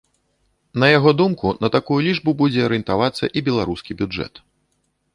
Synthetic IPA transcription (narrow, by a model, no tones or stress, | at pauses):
nɐjaɣɔd̪umkunɐt̪akujulʲiʐbubud͡zʲɛɐɾɨjɨnt̪avat̪sːɐ̰ʔibʲɛlˠaɾuskʲibʲuʐɛ̰t̪